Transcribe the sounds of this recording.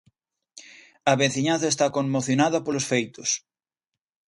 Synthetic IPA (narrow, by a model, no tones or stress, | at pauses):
ɐβenθiɲãnθɐest̪akoŋmoθjonaðɐpolosfejt̪ʊs